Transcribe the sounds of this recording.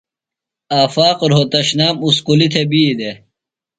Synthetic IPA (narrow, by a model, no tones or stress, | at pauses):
aːfaːqoɾɦot̪ɐɕnaːmusqulit̪ʰebiːd̪e